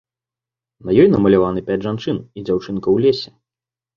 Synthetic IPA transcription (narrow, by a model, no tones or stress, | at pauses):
nɐjɔjnɐmɐlʲavanɨpʲad͡zʲʐant͡ʂɨnid͡zʲawt͡ʂɨnkɐwlʲesʲɛ̥